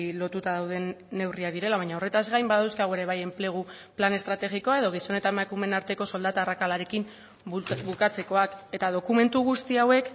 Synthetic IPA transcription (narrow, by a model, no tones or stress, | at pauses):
lo̞t̪ut̪aðawð̞e̞ːe̞wriaðiɾe̞laβajɲao̞re̞t̪azɣɡajmbaðawskaɣue̞ɾe̞β̞aje̞mple̞ɣ̞u | plane̞st̪ɾat̪e̞ɣiko̞aeð̞o̞ɣ̞iso̞ne̞t̪aemakume̞naɾt̪e̞ko̞so̞ld̪at̪aːrakalaɾe̞kim | bukat͡se̞ko̞ake̞t̪að̞o̞kume̞nt̪uɣ̞ust̪iawe̞k